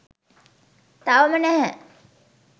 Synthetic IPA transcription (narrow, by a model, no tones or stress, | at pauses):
t̪aʋəmənæɦɛ